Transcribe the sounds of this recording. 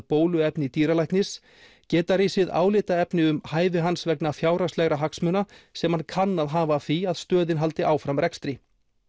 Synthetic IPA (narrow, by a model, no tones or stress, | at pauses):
poːwlʏɛpnɪt̪iːɾalajkt̪nɪs | cɛːt̪ariːsɪða̰ːwlɪːt̪aɛpnɪʏmhaːjvɪɦansvɛknafjaːwɾaslɛɣɾaɦaksmʏnasɛmhankʰanːaðɦaːvaθiaðst̪œːðɪnɦalt̪ɪaːwfɾamɾʔɛkst̪ɾɪ